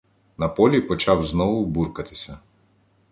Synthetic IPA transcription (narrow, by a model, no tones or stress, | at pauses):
napɔlʲipɔt͡ʃavznɔvubuɾkat̪i̥sɛ